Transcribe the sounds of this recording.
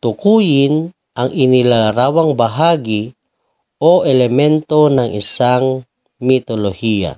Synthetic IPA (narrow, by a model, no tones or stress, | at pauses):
t̪ukujin | aŋinilalaɾawaŋbaɦaɡi | oelemɛnt̪onaŋʔḭsaŋ | mit̪olohia̰